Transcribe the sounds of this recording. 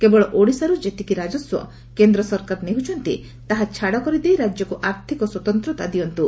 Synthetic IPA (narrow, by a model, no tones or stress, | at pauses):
kebɔɭɔʔoɽisaɾud͡ʒet̪ikiɾad͡ʒɔswɔ̰ | kend̪ɾɔsɔɾkaɾneɦut͡ʃʰɔnt̪ḭ | t̪aɦat͡ʃʰaɽɔkɔɾid̪ejɾad͡ʒjɔkuʔaɾt̪ʰikɔswɔt̪ɔnt̪ɾɔt̪ad̪iɔnt̪u